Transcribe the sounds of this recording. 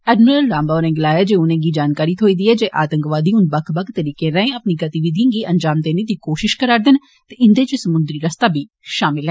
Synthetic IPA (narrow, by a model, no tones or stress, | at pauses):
ɛːɖməɾəlːãːmbaːnẽːɡɪlaːjaːd͡ʒeːʊnẽːɡiːd͡ʒaːnkaːɾiːt̪ʰoːiːd̪iːɛːd͡ʒeːʔaːt̪əŋkʋaːd̪iːʊ̃nd̪bəkʰbəkt̪ːəɾiːkẽːɾɛ̃ẽːəpniːɡət̪iʋɪd̪ʱĩːɡiːʔənd͡ʒaːmd̪eːnẽːd̪iːkoːʃɪʃkəɾaːɾd̪ɪn | t̪eɪnd̪eːt͡ʃesəmʊ̃nd̪ɾiːɾəst̪aːbʱiː | ʃaːmɪlɦɛː